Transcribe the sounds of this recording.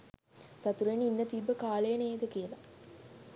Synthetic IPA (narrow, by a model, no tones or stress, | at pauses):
sat̪uɾeninːət̪ibːəkaːlejəneːd̪əkijəla̰